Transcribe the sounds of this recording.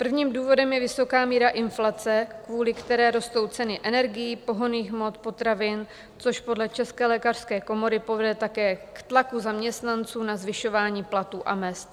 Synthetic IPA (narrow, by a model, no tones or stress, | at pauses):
pr̩vɲiːmduːvo̞dɛmjɛvɪso̞kaːmiːɾaʔɪnflat͡sɛkvuːlɪkt̪ɛɾɛːɾo̞st̪o̞wt͡sɛnɪʔɛnɛɾɡɪjiːpo̞ɦo̞niːxmo̞t̪̚po̞t̪ɾavɪn | t͡so̞ʃpo̞dlɛt͡ʃɛskɛːlɛːkar̥skɛːko̞mo̞ɾɪpo̞vɛdɛt̪akɛːkt̪lakuzamɲɛst̪nant͡suːnazvɪʃo̞vaːɲiːplat̪uːʔa̰mɛst̪